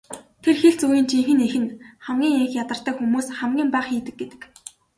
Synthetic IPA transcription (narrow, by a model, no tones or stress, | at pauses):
t̪ʰerxeɮt͡suɣiːnt͡ɕʰiŋxɘ̆nexɘ̆nχæmɡʲiːŋeŋxjat̪ə̆r̥t̪œːxumuːsχæmɡʲiːmpæːχxiːt̪ɘ̆kɡ̚ɡet̪ɘ̆k